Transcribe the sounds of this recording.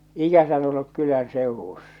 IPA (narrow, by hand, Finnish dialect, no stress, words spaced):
ikæsæn olːuk kylæn seˑuwusːɑ̥